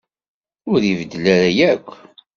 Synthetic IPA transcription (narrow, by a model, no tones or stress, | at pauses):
ʊɾivəd̪ːəlæɾæjækʷː